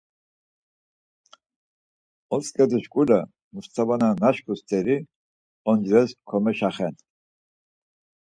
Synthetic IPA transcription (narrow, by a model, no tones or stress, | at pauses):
ɔskʼɛd̪iʃkʼula | must͡sʰabananaʃkʰust͡s̪ʼɛɾi | ɔnd͡ʒɾɛskʰɔmɛʃaχɛn